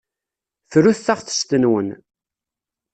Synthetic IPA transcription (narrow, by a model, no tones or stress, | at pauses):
θɾuθθaʁθə̥st̪ənwən